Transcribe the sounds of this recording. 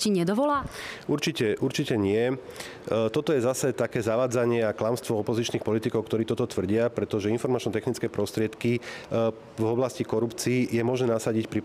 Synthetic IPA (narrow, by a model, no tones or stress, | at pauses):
ciɲɛd̪ɔʋɔlaːuɾt͡ʃicɛʔuɾt͡ʃicɛɲɪɛ | t̪ɔt̪ɔjɛzasɛt̪akɛːzaʋaːd͡zaɲɪɛaklamst̪ʋɔɔpɔzit͡ʃniːxpɔlit̪ikɔʊkt̪ɔɾiːt̪ɔt̪ɔt̪ʋr̩ɟɪapɾɛt̪ɔʒɛinfɔɾmat͡ʃnɔt̪ɛxnit͡skɛːpɾɔst̪ɾɪɛt̪ki | vɔblascikɔɾupt͡siːjɛmɔʒnɛːnasaɟicpɾi